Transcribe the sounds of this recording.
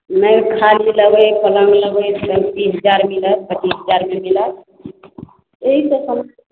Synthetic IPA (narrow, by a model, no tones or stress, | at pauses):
nəjkʰaliləɡəjpələŋɡləɡəjstəŋt̪iɦəd͡ʒaɾmilət̪pət͡ʃiɦəd͡ʒaɾmemilət̪ | eɦit̪əsəm